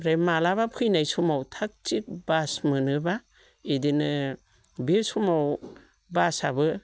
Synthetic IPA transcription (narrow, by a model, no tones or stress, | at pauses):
ɾemalaβapʰɯjnajsumawtʰak̚t͡ʃik̚basmɯnɯba | edinɯ | besumaw | basabɯ